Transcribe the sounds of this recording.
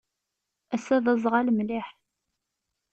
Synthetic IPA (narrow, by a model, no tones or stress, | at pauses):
æsæðəzˤʁalmliħ